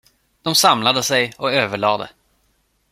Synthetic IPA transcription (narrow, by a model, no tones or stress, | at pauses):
d̪̥ɔmsamlad̪əsɛjɔøːvəɭɑːd̪ə̰